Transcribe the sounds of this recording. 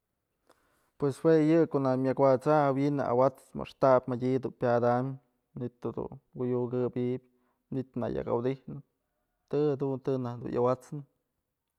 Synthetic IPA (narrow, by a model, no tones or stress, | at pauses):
pweswejɨkonamʲakwat͡sawinɨʔa̰wat͡sma̰ʂt̪apʲmadʲid̪unpʲad̪am | nit̪od̪ṵwujuɡɨbʲiʔbʲ | ɲit̪na̰ja̰ka̰wd̪ihnɨ | t̪ɨhad̪unt̪ɨnahd̪ṵnjʔa̰wat͡snɨ